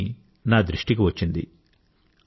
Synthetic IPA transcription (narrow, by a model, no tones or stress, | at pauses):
naːd̪ɾiʂʈik̬iʋɐt͡ʃːind̪ḭ